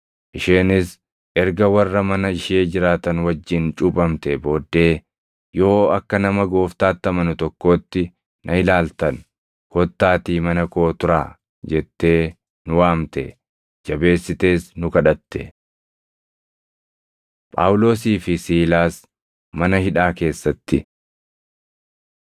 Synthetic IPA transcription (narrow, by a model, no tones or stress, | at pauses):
ʔɪʃe̞ːnɪs | ʔɛɾɡɐwɐrːɐmɐnɐɪʃe̞ːd͡ʒɪɾaːt̪ɐnwɐd͡ʒːɪnt͡ʃʼʊpʼɐmt̪ɛbo̞ːd̪ːe̞ː | jo̞ːɐkːɐnɐmɐɡo̞ːft̪aːt̪ːɐmɐnʊt̪ɔkːo̞ːt̪ːɪ | nʔɐhɪlaːlt̪ɐn | hɔt̪ːaːt̪iːmɐnɐkoːt̪ʊɾa̰ː | d͡ʒɛt̪ːe̞ː | nʊwaːmt̪ɛ | d͡ʒɐbe̞ːsːɪt̪e̞ːsnʊkɐᶑɐt̪ːɛ | pʼa̰ːwʊlo̞ːsiːfɪsiːlaːs | mɐnɐhɪᶑaːke̞ːsːɐt̪ːɪ